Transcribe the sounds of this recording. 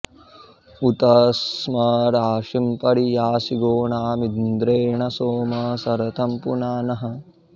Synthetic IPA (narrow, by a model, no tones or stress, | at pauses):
ut̪ɐsmɐɾaːʂimpɐɽijaːsiɡoːɳaːmind̪ɾeːɳɐsoːmɐsɐɾɐt̪ʰɐmpunaːnɐɦɐ̆